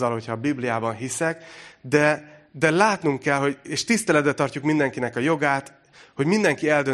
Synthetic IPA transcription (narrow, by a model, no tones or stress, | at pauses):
ɒlho̞cʰɒbiblijaːbɒnɦisɛkd̪ɛd̪ɛlaːt̪nuŋkːɛlɦo̞ɟeːʃt̪ist̪ɛlɛd̪bɛt̪ːɒrcukmind̪ɛŋkinɛkɒjo̞ɡaːt̪ | ho̞ɟmind̪ɛŋkiɛld̪ø